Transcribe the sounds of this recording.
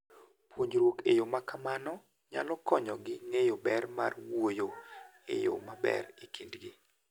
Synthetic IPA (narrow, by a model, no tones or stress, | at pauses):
pwoɲd͡ʒɾwokejomakamanɔ | ɲalɔkɔɲɔɡɪŋejobɛrma̰rwojoḛjo̰mabɛ̰rikindɡɪ